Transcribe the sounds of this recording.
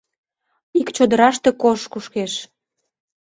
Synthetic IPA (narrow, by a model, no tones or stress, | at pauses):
ikt͡ɕod̪əɾɑʃt̪ekoʃkuʃkeʃ